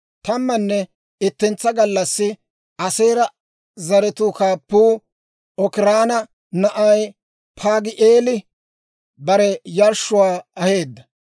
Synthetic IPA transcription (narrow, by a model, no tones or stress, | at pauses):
t̪ɐmːɐnːɛ | ɪt̪ːɪnt͡sːɐɡɐlːɐsːɪ | ɐseːɾɐ | zɐɾɛt̪uːkaːpːuː | ɔkɪɾaːnɐ | nɐʔɐj | pʰaːɡɪʔeːlɪ | bɐɾɛjɐɾʃʊwaːɐhe̞ːd̪ːɐ